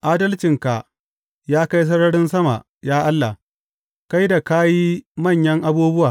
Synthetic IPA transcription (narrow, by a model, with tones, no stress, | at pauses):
ʔaː˦dɐ˦lt͡ʃɪ˨ŋka˨ʔ | jaː˦ka˦js̬ɐ˦ɽɐ˦ɽɪ˦nsɐ˦ma̰˨ʔ | jaː˦ʔa˦lːa˨ | ka˦jda˨kaː˦jiː˦mɐ˦˨ɲjɐ˦ŋʔa˦buː˦bʊ˦waː˨